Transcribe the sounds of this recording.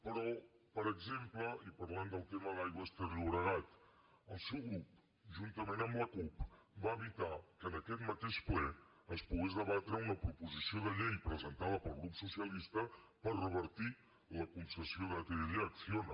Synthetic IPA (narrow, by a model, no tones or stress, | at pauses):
pəɾɔpəɾəɡzempləʔipəɾland̪əlˠt̪eməðajɣwəst̪əɾiuɾəɣat̪ | əlˠsɛwɣɾup̚ | ʒunt̪əmenəmləkupbaəβit̪akənəkɛt̪mət̪eʃplɛəspuɣezðəβat̪ɾəunəpɾupuzisioðəʎejpɾəzənt̪aðəpəlˠɣɾupsusiəlist̪ə | pərrəβ̞əɾt̪i | ləkunsəsioðəət̪eəðiəksionə